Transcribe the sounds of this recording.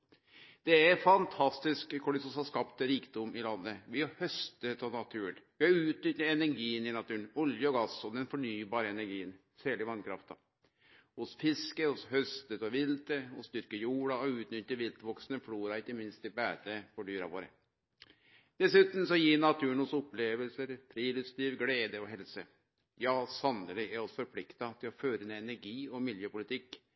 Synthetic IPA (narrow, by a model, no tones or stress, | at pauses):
d̪̥ɛæfɑnt̪ʰɑst̪ɪskkɔɖɪsɔsɑskɑpt̪ɾiːkd̪ʊmɪlɑnːəʋɪhɑhœst̪ət̪ʰɔnɑt̪ʰʉːnʋɪhɑɾʉːt̪nʏt̪ːəɛnæɾɡiːənɪnɑt̪ʉːənɔljəɔɡɑsɔd̪ɛnfɔɳyːbɑːɾəɛnæɾɡiːən | sæːlɪʋɑnkʰɾɑ̰ft̪ɑ̰ | hʊsfɪskəhʊshœst̪ət̪ɔʋɪlt̪əɔst̪ʏɾkəjuːɽɑɔʉːt̪nʏt̪ːəɾʋɪlt̪ʋɔksnəfluːɾɑɪkːəmɪnst̪ɪbæːt̪əfɔɖyːɾɑ̰ʋoːɾə̰ | d̪̥ɛsʉːt̪n̩sɔjiːnɑt̪ʰʉːəɳʊsɔpleːʋəlsəɾfɾiːlʉst̪iːʋɡleːd̪əɔɦɛlsə | jɑːsɑnəlɪæɾɔsfɔɾpʰlɪkt̪ɑt̪ʰɪlɔføːɾənɛɛnæɾɡiːɔmɪljəpʊlɪt̪ʰɪkː